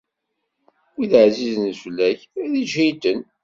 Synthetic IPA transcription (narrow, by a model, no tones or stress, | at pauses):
wiðəʕziznflːæçæðiʒit̪ən